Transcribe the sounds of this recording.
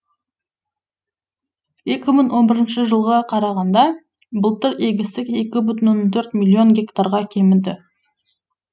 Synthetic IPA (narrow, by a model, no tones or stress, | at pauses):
je̞kʲɪməɴwo̞nbɪɾɪnʃɪʒəlˠʁɑqʰɑɾɑʁɑnd̪ɑ | bʊlˠt̪ɪɾeɡʲɪst̪ɪke̞kʲɪbʏt̪ənwonːɑnt̪ʰɵɾt̪mʲilʲːio̞nɡʲe̞kt̪aɾʁɑkʲʰe̞mɪnd̪ɪ